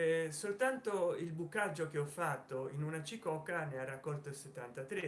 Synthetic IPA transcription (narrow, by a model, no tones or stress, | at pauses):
solt̪ant̪oilbukːad͡ʒːok̟eɔfːat̪ːoinunat͡ʃikɔkːanearːakːɔlt̪oilset̪ːant̪at̪ɾe